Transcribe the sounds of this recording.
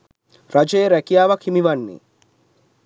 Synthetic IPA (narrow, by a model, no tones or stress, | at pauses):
ɾɐd͡ʒejɾɛkijaːʋɐkʰimiʋɐnːḭ